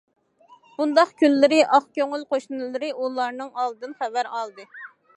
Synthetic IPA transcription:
b̥und̪ɑχkʲʰynlːɪɾɪʔɑχkʲøŋylqoʃnɨlˠɨɾɪʔulˠɑɾnɨŋɑlˠd̪ɨnχævæɾɑlˠd̪ɨ

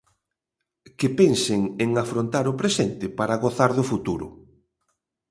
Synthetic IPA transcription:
kɪpenseŋeŋafɾont̪aɾʊpɾesɛnt̪ɪpaɾaɣoθaɾðʊfut̪uɾʊ̰

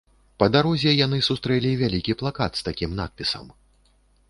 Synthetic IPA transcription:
pɐd̪aɾɔzʲɛjanɨsust̪ɾɛlʲivʲalʲikʲiplˠakat̪st̪akʲimna̰t̪̚pʲisɐ̰m

